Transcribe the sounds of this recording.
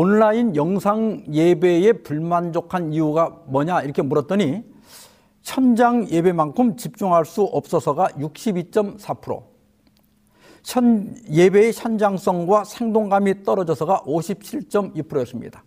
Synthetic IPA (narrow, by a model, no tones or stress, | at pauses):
onɭainjʌŋsʰaŋje̞be̞e̞puɭmand͡ʑokʰaniuɡamʌɲaiɾʌkʰe̞muɾʌt̚t͈ʌɲi | ɕʰʌnd͡ʑaŋje̞be̞mankʰɯmt͡ɕip̚t͡ɕ͈uŋɦaɭs͈uʔʌp̚s͈ʌsʰʌɡajuk̚ɕ͈ibit͡ɕ͈ʌmsʰapʰɯɾo̰ | ʌje̞be̞ːɕʰjʌnd͡ʑaŋs͈ʌŋɡwasʰe̞ŋdoŋɡamit͈ʌɾʌd͡ʑʌsʰʌɡaʔoɕʰip̚t͡ɕʰiɭt͡ɕ͈ʌmipʰɯɾojʌs͈ɯmɲḭd̥a